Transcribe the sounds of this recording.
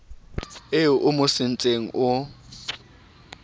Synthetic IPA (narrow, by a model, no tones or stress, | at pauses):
ɪʔʊmʊsɪnt͡sʼeŋ̩ʔʊ